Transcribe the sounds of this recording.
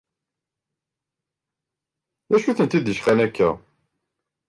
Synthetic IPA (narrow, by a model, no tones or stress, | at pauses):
æʃuθənt̪id̪əʃχænækːæ̰